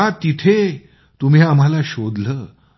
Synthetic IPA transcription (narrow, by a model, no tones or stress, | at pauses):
at̪it̪ʰe | t̪um̤iam̤alaɕod̪ləː